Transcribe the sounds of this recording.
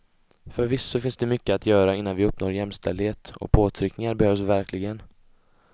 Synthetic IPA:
fœɾvɪsːɔfɪnsd̪ɛmʏkːəat̪ʰjœːɾaɪnːanvɪɵpnoːɾjɛmst̪ɛld̪heːt̪ɔ̰pʰoːt̪ʰɾʏknɪŋaɾbɛhøːvsvæɾklɪɡən

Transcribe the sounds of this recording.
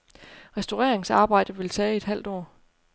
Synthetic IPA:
ʁɛsd̥oʁɛɐ̰e̝ŋsɑ̈ːb̥ɑ̈ɪ̰d̥əʋe̝lt͡sʰɛːe̝d̥ɦæl̰d̥ɒ̰ː

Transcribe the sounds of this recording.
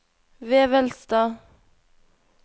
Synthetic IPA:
ʋeːʋɛlst̪ɑː

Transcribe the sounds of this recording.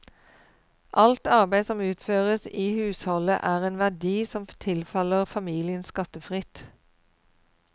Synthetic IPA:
ʔɑlt̪ɑʁbæɪsɔmʉːt̪føːʁəsiːhʉːshɔlə̰ʔæːʁeːnʋæd̪iːsɔmt̪ʰɪlfɑləʁfɑmiːlɪənskɑt̪əfʁɪt̪

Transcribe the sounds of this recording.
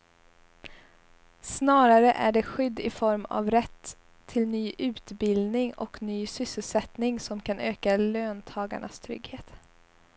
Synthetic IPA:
snɑːɾaɾəʔæɖɛɧʏd̪ːɪfɔɾma̰vɾɛt̪ʰː | ɪlnyːʔʉ̟ːt̪bɪld̪nɪŋɔknyːsʏsːəlsɛt̪nɪŋsɔmkʰanøːkaløːnt̪ʰɑːɡa̰ɳʔa̰st̪ʰɾʏ̰ɡheːt̪

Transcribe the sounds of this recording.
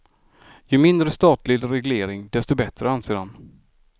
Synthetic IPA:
jɵmɪnd̪ɾəst̪ɑːt̪lɪɡɾɛɡleːɾɪŋd̪ɛst̪ɔbɛt̪ɾəanseːan

